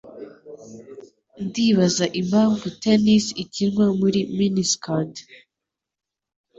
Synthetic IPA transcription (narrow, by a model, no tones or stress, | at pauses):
ndiβazaʔimhaːɱvutenisicinŋwamuɾiminiskat